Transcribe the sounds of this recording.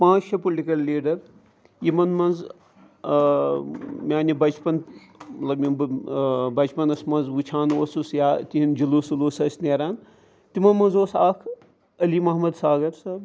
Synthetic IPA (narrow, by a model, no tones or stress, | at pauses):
pãːt͡ʃt͡ʃʰɐpolʲʈikɐlːiːɖɐɾ | jimɐnmɐnz | mʲjaːnibɐt͡ʃpɐn | mɐt̪lɐbi | bɐt͡ʃpɐnɐsmɐnzʋut͡ʃʰaːnoːsusjaːt̪iɦind͡ʒiluːsuluːsɐsneːɾaːn | t̪imɐnmɐnzoːsaːkʰ | ɐlimɐɦmɐd̪saːɡɐɾsaːb